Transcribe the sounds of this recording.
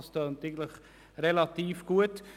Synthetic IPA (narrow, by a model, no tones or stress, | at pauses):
stœːnt̪ɪɡən̩tləχ | ɾelɑt̪iːfɡ̥uət